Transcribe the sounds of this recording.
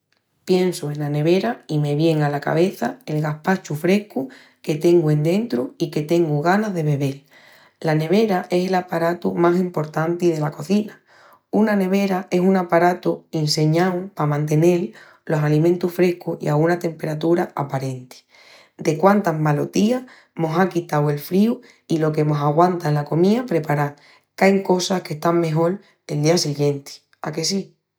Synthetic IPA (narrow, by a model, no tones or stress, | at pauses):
pje̞nsue̞nlane̞β̞e̞ɾaime̞βje̞ŋalaka̰β̞e̞θae̞lɣahpat͡ʃufɾe̞hku | ke̞t̪e̞ŋɡue̞nd̪ẽ̞nt̪ɾuike̞t̪e̞ŋɡuɣanazðe̞βe̞β̞e̞l | lane̞β̞e̞ɾaʔe̞se̞lapaɾat̪umasimpo̞ɾt̪ant̪ið̞e̞lako̞θina | unane̞β̞e̞ɾaʔe̞suŋapaɾat̪uense̞ɲãwpamãnt̪̬e̞ne̞l | lo̞salimẽnt̪uffɾe̞hkuḭaɣunat̪e̞mpe̞ɾat̪uɾaapaɾẽ̞nt̪i̥ | d̪e̞kwant̪aɦmalo̞t̪ia | mo̞sakit̪awe̞lfɾiu | ilo̞ke̞mo̞saɣwant̪aelako̞miapɾe̞paɾa | kajŋko̞sahke̞ht̪aŋme̞ɦo̞l | e̞ld̪iasiɣjẽ̞nt̪i̥ | ake̞si